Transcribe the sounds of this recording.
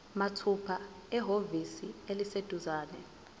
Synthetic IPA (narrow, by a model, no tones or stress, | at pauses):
matʰupʰa | ɛɦovisielised̥ʱuzaːnɛ